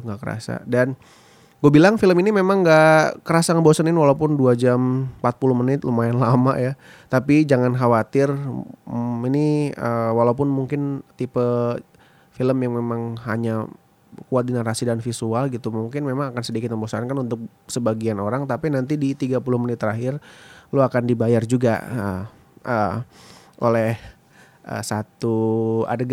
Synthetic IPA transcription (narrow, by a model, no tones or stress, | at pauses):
ŋɡakəɾa̰sa̰dan | ɡuabilaŋfiləminimemaŋɡaʔkəɾasaŋəmbosaninwalaupʊnduad͡ʒampat̪̚pulʊhmənɪt̪̚lumaɪnlama̰ja | t̪apid͡ʒaŋankawat̪ɪr | iniəwalaup̬ʊnmuŋkɪnt̪ipə | filəmjaŋmemaŋɦaɲa | kuat̪̚dənaɾasidanfisualɡit̪umuŋkɪnmemaŋakansədikɪt̪̚məmbosaankanunt̪ʊk̚ | səbaɡianoɾaŋt̪apinant̪idit̪iɡapulʊhmənɪt̪ːəɾaɦɪrluakandibajard͡ʒuɡa̰ə | ʔə | ʔo̰lɛh | ə̰sat̪ua̰dəɡ